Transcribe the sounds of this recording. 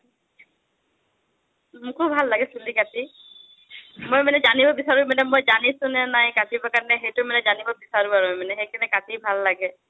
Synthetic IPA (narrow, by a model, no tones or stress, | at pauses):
mũkubʱalːaɡesulikat̪i | mojmanɛd͡ʒanibɔbisaɾubmanɛmojd͡ʒanisunɛnaɦĩkat̪ʰibakaɾneɦejʈumanɛd͡ʒanibɔbisaɾubaɾuemaneɦejkʰanɛkat̪ʰijbʱalːaɡe